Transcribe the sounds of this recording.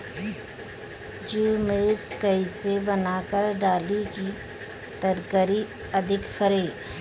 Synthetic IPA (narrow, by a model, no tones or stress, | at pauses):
d͡ʒumeːkəɪsebənaːkəɾɖaːliki | t̪əɾkəɾi | ɐd̪ʱɪkfʰəɾeː